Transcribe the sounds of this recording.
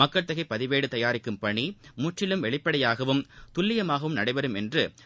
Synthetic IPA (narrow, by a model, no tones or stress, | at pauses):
ɐkːɐɭt̪ɐɣɐɪpːɐðɪʋeːɽɯt̪ɐjaːɾɪkːɯmpɐɳimʊʈrɪlɯmʋɛɭɪpːɐɽɐjaːɣɐʋɯmt̪ʊlːɪjɐmaːɣɐʋɯmnɐɽɐɪʋɐɾɯmɛndrɯ